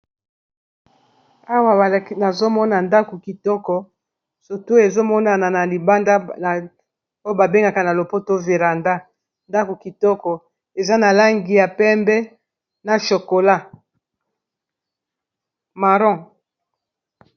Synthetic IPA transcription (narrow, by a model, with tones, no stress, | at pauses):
a˦wa˨ba˨li˦na˨zo˦mɔ˦na˨nda˦ko˨ki˨tɔ˦kɔ˨ | so˨tu˦e˨zo˦mɔ˦na˨na˨na˨li˨ba˦nda˦˨ | o˦jo˦ba˨be˦ŋɡa˨ka˨na˨lo˨po˦to˦ve˨ʁa˨nda˦ | nda˦ko˨ki˨tɔ˦kɔ˨ | e˨za˦na˨la˦ŋɡi˨ja˨pɛ˦mbɛ˦ | na˨ʃo˨ko˨la˦ | ma˨ʁɔ̃˦˨